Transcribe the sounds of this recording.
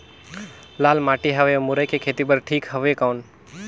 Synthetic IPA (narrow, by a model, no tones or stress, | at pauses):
laːlmaːʈiɦəʋemʊɾəkekʰeːt̪ibəɾʈʰiːkɦəʋekaːn